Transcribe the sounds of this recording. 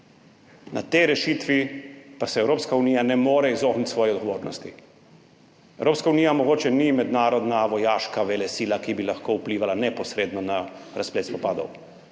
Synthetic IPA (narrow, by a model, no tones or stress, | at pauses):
na̰t̪ɛjɾɛʃiːt̪ʋipasɛɛwɾoːpskauniːjanɛmoːɾɛizoːknit̪ʲsʋɔːjɛɔd̪ɡɔʋoːɾnɔ̰st̪i | ɛwɾoːpskauniːjamɔɡoːt͡ʃɛnimɛd̪naːɾɔd̪naʋɔjaːʃkaʋɛlɛsiːlakibilaxkoupliːʋalanɛpɔsɾeːd̪nɔnaɾaspleːt̪spɔpaːd̪ɔ̰w